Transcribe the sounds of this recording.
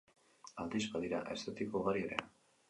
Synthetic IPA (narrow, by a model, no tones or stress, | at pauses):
ald̪izbaðiɾa̰ʔe̞st̪et̪ikouɣaɾie̞ɾe